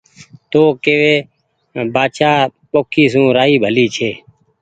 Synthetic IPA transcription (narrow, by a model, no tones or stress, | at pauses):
t̪oːkeːʋeː | baːt͡ʃaːpoːkʰiːs̬ũːɾaːiːbʱəliːt͡ʃʰeː